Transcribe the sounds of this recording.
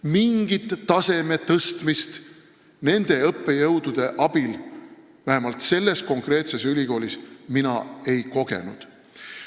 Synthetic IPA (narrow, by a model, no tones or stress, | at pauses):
miŋɡ̥it̪ːɑse̞me̞t̪ɤst̪mist̪ | ne̞nd̪̥e̞ɤpːe̞jɤwd̪̥ud̪̥e̞ʔɑb̥il | væhemɑlt̪se̞lːe̞sko̞ŋkre̞ːt̪se̞sylʲiko̞ːlʲisminɑe̞jko̞ɡ̥e̞̰nṵd̪̥